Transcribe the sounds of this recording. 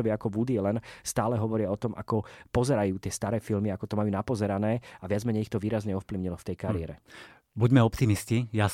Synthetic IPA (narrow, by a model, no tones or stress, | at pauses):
ɔʋɪakɔbud̪iɛlɛnst̪aːlɛɦɔʋɔɾɪaɔt̪ɔmʔa̰kɔpɔzɛɾajuːt̪ɪɛst̪aɾɛːfilmiakɔt̪ɔmajuːnapɔzɛɾanɛːaʋɪad͡zmɛɲɛjixt̪ɔʋiːɾazɲɛɔfpliʊɲilɔft̪ɛjkaɾɪɛɾɛ | buɟmɛɔpt̪imiscija